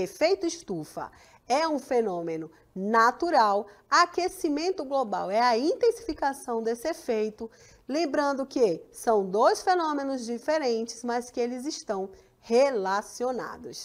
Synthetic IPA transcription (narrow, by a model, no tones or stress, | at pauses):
efejt̪ʊiʃt̪ufɐ̰ | ɛũfenõmenʊ | nat̪uɾawakesimẽnt̪ʊɡloba̰wɛɐĩt̪ẽsi̥fikasɐ̃w̃d̪esɪefejt̪ʊ | lẽbɾɐ̃nd̪ʊkesɐ̃w̃d̪ojsfenõmẽnʊzd͡ʒifeɾẽt͡ʃɪ̥zmɐskɪelɪziʃt̪ɐ̃w̃ | helasiona̰d̪ʊs